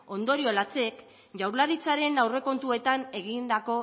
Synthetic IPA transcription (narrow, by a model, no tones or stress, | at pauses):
o̞nd̪o̞ɾio̞lat͡se̞k | ʝawɾlaɾit͡saɾe̞nawre̞ko̞nt̪ue̞t̪ane̞ɣind̪ako̞